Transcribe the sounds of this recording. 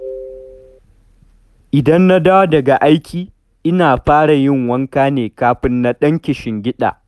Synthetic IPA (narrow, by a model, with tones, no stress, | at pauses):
ʔɪ˨dɐ˦nːa˦daː˦wa˦dɐ˨ɡa˨ʔa˦jkʲʰiː˨ | ʔɪ˦naː˨ɸaː˦ɽa˨jɪ˦˨ŋwɐ˦ŋkaː˦neː˨kaː˦ɸɪ˦nːa˦ɗɐ˦ŋkʲɪ˨ʃɪ˨ŋɡʲɪ˦ɗa̰ː˨